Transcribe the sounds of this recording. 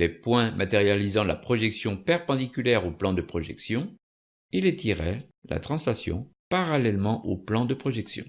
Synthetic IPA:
lepwɛ̃mat̪eʁjalizɑ̃la̰pχɔʒɛksjɔ̃pɛʁpɑ̃d̪ikʲylɛʁoplɑ̃d̪əpχɔʒɛ̰ksjɔ̃ | ilet̪iʁɛ | la̰t̪χɑ̃sasjɔ̰̃paʁalɛlmɑ̃ʔoplɑ̃d̪əpχɔʒɛksjɔ̰̃

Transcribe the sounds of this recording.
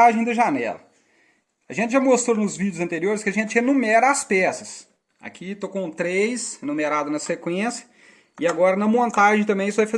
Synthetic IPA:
aʒẽj̃d̪ɐʒanɛ̰lɐ̰ | ɐʒẽnt͡ʃɪʒamost̪ɾonʊzvid͡ʒʊzɐ̃nt̪eɾioɾɪskɪɐʒẽnt͡ʃɪenũmɛɾɐaspɛsɐs | a̰kʰit̪okõt̪ɾejshenũmeɾad̪ʊnɐsekwẽsjɐ̥ | ɪaɡɔɾɐnɐmõnt̪aʒẽj̃t̪ɐ̃mbẽj̃isʊvajfɐ

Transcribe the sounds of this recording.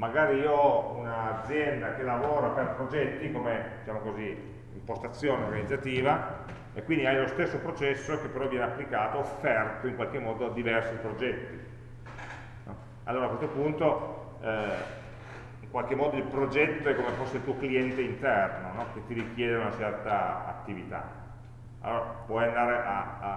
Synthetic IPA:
maɡaːɾiiɔunaːd̪zːjɛnd̪ak̟elːavoːɾaperpɾod͡ʒɛt̪ːikomed̪it͡ʃaːmokozi | impost̪at̪sːjoːneorɡanid̪zːat̪iːva | ekwind̪iajlost̪esːopɾot͡ʃɛsːok̟epːeɾɔvːjɛːneapːlikaːt̪oːfːɛrt̪oiŋkwalk̟emːɔːd̪od̪ivɛrsipɾod͡ʒɛt̪ːi | nɔ | a̰lːoːɾakwest̪opunt̪o | iŋkwalk̟emːɔːd̪oilpɾod͡ʒɛt̪ːoɛkːomesfosːeilt̪uokliɛnt̪eint̪ɛrnonɔk̟et̪ːiɾik̟jɛːd̪eunat͡ʃɛrt̪aa̰t̪ːivit̪a̰ | a̰lːoːɾapwɔjand̪aːɾeʔa

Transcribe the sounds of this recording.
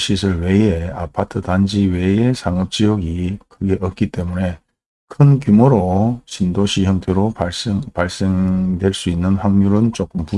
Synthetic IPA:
ɕʰisʰɯɭwe̞ea̰pʰatʰɯdand͡ʑiwe̞esʰaŋɯp̚t͡ɕ͈iʌɡikʰɯɡe̞ʔʌt̚k͈it͈e̞mune̞ | kʰɯnkjumoɾoɕʰindoɕʰiçjʌŋtʰeɾopaɭs͈eŋdwe̞ɭs͈uinːɯnɸaŋɲuɾɯnt͡ɕok͈ɯmpu

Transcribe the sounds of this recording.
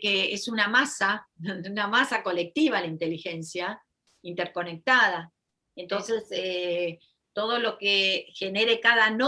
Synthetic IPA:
keesunamasaunamasako̞le̞k̚t̪iβalaint̪e̞lixe̞nsja | int̪eɾko̞ne̞k̚t̪að̞a | ent̪o̞nse̞se | t̪o̞ð̞o̞lo̞kexe̞ne̞ɾekaðano

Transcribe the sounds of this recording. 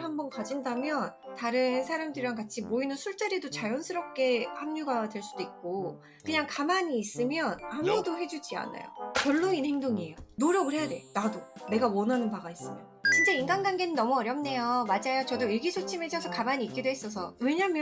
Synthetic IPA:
hambʌnkad͡ʑindamjʌntaɾɯnsʰaɾamdɯɾiɾaŋkat͡ɕʰiboinɯnsʰuɭt͡ɕ͈aɾidot͡ɕajʌnsʰɯɾʌp̚k͈e̞hamɲuɡadwe̞ɭs͈ud̥oik̚k͈o | kɯɲaŋkamaɲiːs͈ɯmjʌnamudoɦe̞d͡ʑud͡ʑia̰na̰jo̰kjʌɭːoinhe̞ŋdoŋie̞jonoɾʌɡɯɾe̞jade̞̰nadone̞ɡawʌnɦanɯnpaɡais͈ɯmjʌ | t͡ɕint͡ɕ͈einɡanɡanɡe̞nɯnːʌmuʌɾjʌmne̞jomad͡ʑajot͡ɕʌdoiɭɡisʰot͡ɕʰimet͡ɕʰʌsʰʌkamaɲiːk͈idoɦes͈ʌs̬ʰʌwe̞ɲamjʌ

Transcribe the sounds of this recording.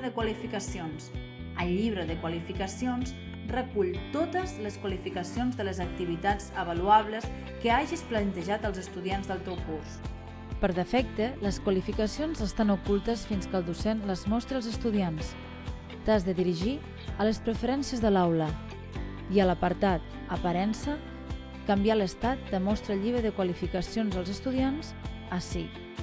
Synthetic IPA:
ðəkwalifikəsions | əlˠːiβ̞ɾəðəkwalifikəsions | rəkuʎt̪ot̪əzləskwalifikəsionzðələzək̚t̪iβ̞it̪ad͡zəβəluaβləs | kəaʒisplənt̪əʒat̪əlˠzəst̪uðianzðəlˠt̪ewkus | pəɾðəfɛk̚t̪ələskwalifikəsionzəst̪anukulˠt̪əsfinskəlˠd̪usenləzmɔst̪ɾiəlˠzəst̪uðians | t̪azðəðiɾiʒi | ələspɾəfəɾɛnsiəzðəlawlə | iələpəɾt̪at̪̚ | əpaɾɛnsə | kambialəst̪at̪̚d̪əmɔst̪ɾəlʎiβɾəðəkwalifikəsionzəlˠzəst̪uð̞ianz | əsi

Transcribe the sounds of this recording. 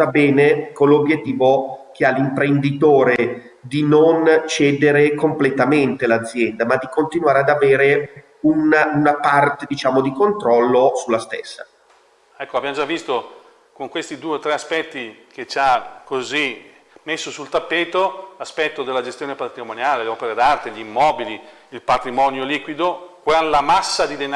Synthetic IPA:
abɛːnekonlːobjet̪ːiːvok̟ealːimpɾend̪it̪oːɾe | d̪inont͡ʃɛːd̪eɾekomplet̪ament̪elad̪zːjɛnd̪amad̪ːikont̪inwaːɾead̪aveːɾe | ununapart̪ed̪it͡ʃaːmod̪ikont̪ɾɔlːosulːast̪ḛsːa̰ | ɛkːoavbjamod͡ʒavːist̪o | koŋkwest̪id̪uːet̪ɾeaspɛt̪ːiket͡ʃakozi | mesːosult̪apːeːt̪olaspɛt̪ːod̪elːad͡ʒest̪joːnepat̪ɾimonjaːleleɔpeɾed̪art̪eʎimːɔːbili | ilpat̪ɾimɔnjoliːkwid̪okwalamasːad̪id̪en

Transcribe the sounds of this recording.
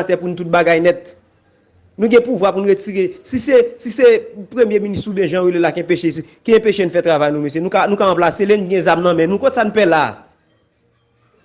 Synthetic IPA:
tɛpunut̪ut̪̚baɡajnɛt̪̚ | nũɡɛ̃puvwapunuɣet͡siʁesisesisepɣemjeminist̪ubjɛ̃ʒãwelelakɛ̃peʃeskiɛ̃peʃenũfɛt̪ʁavajnũmes̬enũkanũkaɐ̃plaselenuɡɛ̃zamnɐ̃mɛ̃nũkõt̪e̥sanũpɛla̰

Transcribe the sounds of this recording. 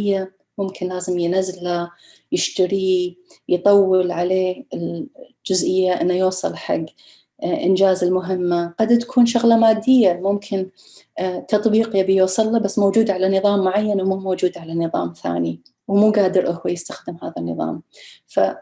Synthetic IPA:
jːa | mʊmkʰɪnlaːzɪmjnazːla | jɪʃt̪aɾijt̪ˤɑwːɪlʕaleːɪl | d͡ʒʊzʔɪjːaʔɪnːajuːsˤɑlħa̰ɡː | ʔɪnd͡ʒaːzɪlmʊɦɪmːaqɑd̪t̪ḁkʰuːnʃʊɣlɑmaːd̪ːɪjːamʊmkʰɪn | t̪ɑt̪ˤbiːqjabijuːsˤɨlːabasːmowd͡ʒuːd̪ʕalanɨðˤɑːmːʊʕajːanwmumowd͡ʒuːd̪ʕalanɨðˤɑ̰ːmθa̰ːni | wmuːɡaːd̪ɪɾʔʊhwajɪst̪axd̪ɪmhaːðanːɨ̰ðˤɑ̰ːmfa̰

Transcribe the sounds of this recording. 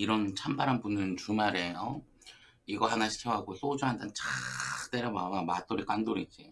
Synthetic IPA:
iɾʌnt͡ɕʰambaɾɦanbunɯnt͡ɕumaɾe̞ʌ | iɡʌɦanaɕʰi̥kʰʌɦaɡos͈od͡ʑuɦandant͡ɕat͈eɾjamaamat͈oɾik͈wandoɾid͡ʑ͈i

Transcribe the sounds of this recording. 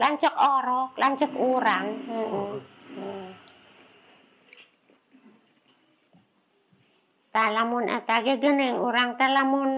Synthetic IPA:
laɲt͡ʃɔkɔɾɔklaɲt͡ʃɔkuɾaŋm̩ʔ̩ | t̪alamʊnə̰t̪aɡɛɡənɛŋuɾaŋt̪alamʊn

